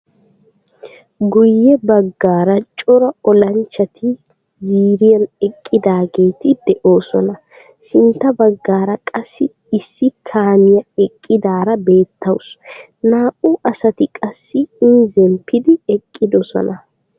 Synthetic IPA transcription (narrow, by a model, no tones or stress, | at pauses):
ɡʊjːɛbɐɡːaːɾɐt͡ʃʼɔɾɐɔlɐnt͡ʃːɐt̪ʰɪ | ziːɾɪjɐnɛkʼːɪd̪aːɡe̞ːt̪ɪd̪ɛʔo̞ːsɔnɐ | sɪnt̪ːɐbɐɡːaːɾɐkʼɐsːɪ | ɪsːɪkʰaːmɪjɐɛkʼːɪd̪aːɾɐbe̞ːt̪ʰːɐws | naːʔuʔɐsɐt̪ɪkʼɐsːɪɪnzɛmpʰːɪd̪ɪɛkʼːɪd̪ɔsɔ̰nɐ